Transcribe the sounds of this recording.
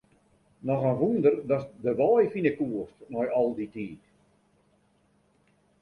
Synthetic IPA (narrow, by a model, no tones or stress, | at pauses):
nɔxənʋundərdɔsdəʋɔjfinəkuəstnɔjɔlˠditiːk